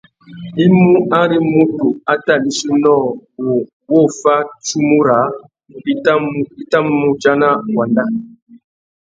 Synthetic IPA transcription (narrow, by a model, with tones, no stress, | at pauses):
i˦mu˦a˦ɾi˦mu˦tu˨a˦ta˦˨li˨su˦nɔ˦˨wo˨ | wo˦˨fa˦t͡ʃu˦mu˦ɾa˨˦ | i˦ta˦u˦i˦ta˦m˦mu˦d͡ʒa˦na˦wa˨nda˦